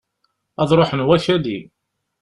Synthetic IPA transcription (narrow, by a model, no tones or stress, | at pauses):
ɑðˤɾˤoħənwæʃæli